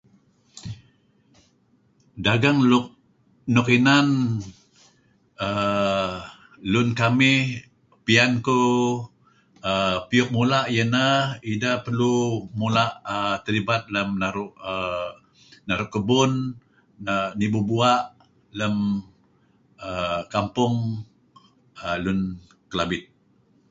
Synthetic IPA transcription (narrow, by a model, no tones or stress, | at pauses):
daɡaŋlʊk̚ | nʊkinan | ə | lʊnkamɪh | pianku | əpiʊk̚mulaʔjənəidəʔpərlumulaʔət̪əlibat̪̚ləmnaɾʊʔə | naɾʊʔkəbʊn | ənibubuaʔ | ləm | əkampʊŋ | əlʊn | kəlabɪt̪̚